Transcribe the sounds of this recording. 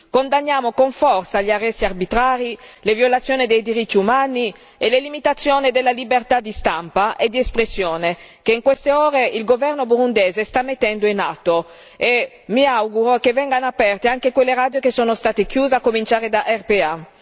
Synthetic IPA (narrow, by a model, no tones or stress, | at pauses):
kond̪anːjaːmokoɱfɔrt̪saʎiarːɛsːiarbit̪ɾaːɾilevjolat̪sːjoːnid̪ejd̪iɾit̪ːiumaːni | elelimit̪at̪sːjoːned̪elːalibert̪ad̪ist̪ampaʔed̪iespɾesːjoːnekeiŋkwest̪eoːɾeilɡovɛrnobuɾund̪eːzest̪amːet̪ːɛnd̪oinat̪ːo | e | miawɡuɾokevɛŋɡanoapɛrt̪eaŋkekwelːeɾad̪jokesoːnost̪aːt̪ekjuːzeakːomint͡ʃaːɾed̪aʔɛrpea